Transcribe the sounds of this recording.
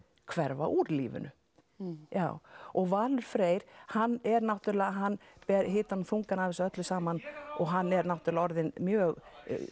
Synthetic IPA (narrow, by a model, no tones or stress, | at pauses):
kʰvɛɾva̰ʔuɾlḭːvʏ̰nʏ̰ | ja̰ːwɔɣvaːlʏɾ̥fɾeːjɾ̥hanːɛɾnawt̪ʏɾlɛːɣaɦanːpɛɾɦɪːt̪anumθuŋkanavɪsœt̪lʏsaːmanɔɣɦanːɛɾnaw̥t̪ʏɾlaɔɾðɪnmjœːɣ